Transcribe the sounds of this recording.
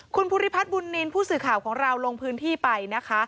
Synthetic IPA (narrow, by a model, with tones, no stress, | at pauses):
kʰu˧npʰu˧ɾi˦˥pʰa˦˥t̪̚bu˧nːi˧npʰuː˥˩sɯː˨˩kʰaː˨˩wkʰɔː˩˦ŋɾa˧wlo˧ŋpʰɯː˦˥nt̪ʰiː˥˩pa˧jna˦˥kʰa˦˥ʔ